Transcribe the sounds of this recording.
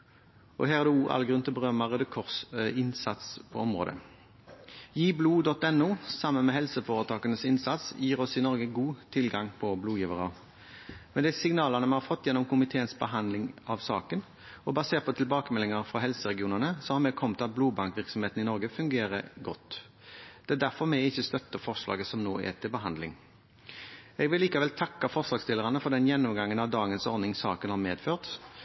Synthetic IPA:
ʔɔ̰ɦæːʁd̪ɛuːʔɑ̰lɡʁʉnt̪əbəʁœmɑʁəd̪ɛkʰɔʁsɪnsɑt̪spʰɔɔmʁo̰ːd̪ə̰ | jiːbluːd̪ɔt̪ːɛnːuːsɑmːənmɛɦɛlsəfoːʁət̪ʰɑːkənəsɪnsɑt̪sjiːʁɔsɪnɔʁɡəɡuːt̪ʰɪlɡɑŋpʰɔbluːjiːʋəʁɑ | mɛnd̪ɛsɪŋnɑːlənəmɛnhɑfɔt̪ːjɛnːɔmkʊmɪt̪ʰeːənsbəɦɑnd̪lɪŋɑʋsɑ̰ːkən | ɔbɑseːɾt̪pʰɔt̪ʰɪlbɑːkəmɛlɪŋəɾfɾɑɦɛlsəʁɛɡɪuːnənəsɔmhɑɾmɛɡ̚kʰɔmt̪ɑt̪̚bluːbɑŋkʋɪɾksɔmheːt̪n̩ɪnɔɾɡəfʉŋɡeːɾə̰ɡɔt̪ː | d̪̥ɛæd̪æɾfɔɾmɛɪɪçːəst̪œt̪ːəfɔʁʂlɑ̰ːɡəsɔmnoːæ̰t̪ʰɪlbəɦɑnd̪lɪŋ | ɛɡʋɪlːiːkɑʋɛlt̪ʰɑkːɑfɔʁʂlɑːɡst̪ɪlːəʁɑnəfɔɾd̪ɛnjɛnːɔmɡɑŋːənɑʋd̪ɑːɡənsɔɾd̪nɪŋsɑːkənhɑɾmeːd̪føːʁt̪

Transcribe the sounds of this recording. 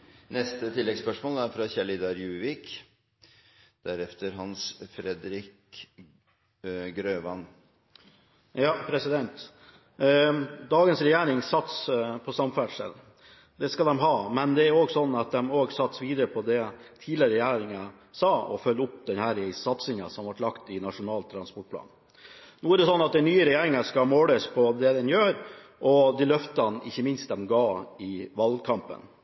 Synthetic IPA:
nɛst̪ət̪ʰɪlːɛɡspœʂmoːlæɾfɾɑçɛlɪd̪ɑɾjʉːʋɪk | d̪̥æɾɛft̪əɾɦɑnsfɾɛd̪ɾɪk | ɡɾøːʋɑn | jɑːpʰɾɛsɪd̪ɛnt̪ | d̪ɑːɡənsɾɛjæːɾɪŋsɑt̪spʰɔsɑmfæɖʂɛ̰l | d̪ɛskɑld̪ɛmɦɑːmɛnd̪ɛæɾoːɡsɔnːɑt̪̚d̪ɛmoːɡsɑt̪sʋiːd̪əɾəpʰɔd̪ɛt̪ʰiːlɪəɾəɾɛjæːɾɪŋɑ | sɑːɔ̰fœlːʊpd̪ɛnhæɾɪsɑt̪sɪŋɑ̰sɔmʋɑʈlɑkt̪ɪnɑʂʊnɑːlt̪ʰːɾɑnspɔʈ̚pʰlɑ̰ːn | nuːæɾɖ̪ɛsɔnːɑt̪̚d̪ɛnyːəɾɛjæːɾɪŋɑʂkɑmoːləspʰɔd̪ɛd̪ɛnjøːɾ | ʔɔd̪ilœft̪ɑnɪ̰çːəmɪnst̪̚d̪ɛmɡɑːɪʋɑlkʰɑmpə̰n

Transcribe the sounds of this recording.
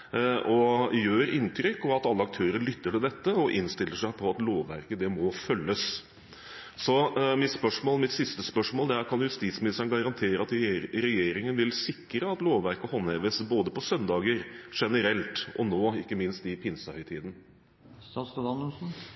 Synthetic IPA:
ʔɔjøːɾɪnt̪ʰɾʏkːɔʋɑt̪ɑlːəɑk̚t̪ʰøːɾəɭʏt̪ːəʈɪld̪ɛt̪ːəɔʔɪnst̪ɪlːəʂæɪpʰɔɑt̪loːʋːæ̰ɾkəd̪ɛmɔfœlːəs | sɔmɪt̪spœʂmoːlmɪt̪sɪst̪əspœʂmoːld̪ɛæɾkʰɑnjjʉst̪iːt̪smɪnɪst̪əɳɡɑɾɑnt̪ʰeːɾəɑt̪ɾɛjeːɾɪŋənʋɪlsɪkːɾəɑt̪loːʋʋæɾkəhɔnːɛːʋəsəboːd̪əpɔsœnd̪ɑːɡəɾʂɛnəɾɛlt̪ʔɔ̰noːɪkːəmɪnst̪ɪpʰɪnsəhœʏt̪ʰiːd̪n̩ | sɑst̪ɑd̪ɑnulsn̩

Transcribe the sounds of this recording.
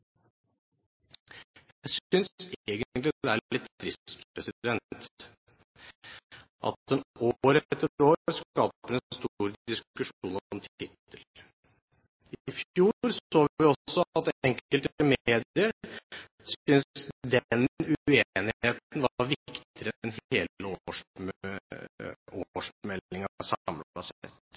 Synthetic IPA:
jæɪsʏnseːɡənnt̪lɪɛælɪt̪ːɾɪst̪pɾɛsɪd̪ɛnt̪ | ʔɑ̰t̪̚d̪ɛnoːɾɛt̪ːəɾoːɾɾskɑːpəɛnst̪uːɾd̪ɪskʉʂuːnɔmt̪ʰɪt̪ʰːəl | ɪɪfjuːɾsoːʋʋɪɔsɔɑt̪ɛŋkəlt̪əmeːd̪ɪəɾ | sʏnd̪ɛnʉenɪeːt̪n̩ʋɑɾʋɪkt̪ɪəɾənheːəoʂ | oːʂmɛlːɪŋɑsɑmpɑsɛ̰t̪ː

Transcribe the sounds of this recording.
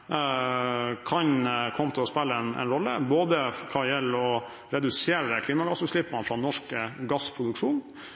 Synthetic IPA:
kʰɑɲkʰɔmːət̪ʰɪlɔspɛlːəɛnɛ̰nɾɔlːə̰boːd̪əkʰɑjɛlːɔ | ɾɛd̪ʉseːɾəkʰliːmɑɡɑsːʉːʂlɪpːɑnfɾɑnɔʂkəɡɑspʰɾʊd̪ʉkʂuːn

